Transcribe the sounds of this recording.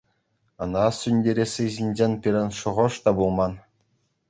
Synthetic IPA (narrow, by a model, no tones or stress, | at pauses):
ɤ̆nɑsʲynʲdʲeɾʲesʲɯʑinʲd͡ʑenʲpʲiɾʲɘ̆nʂɤ̆ʁɤ̆ʂt̪ɑbulˠmɑn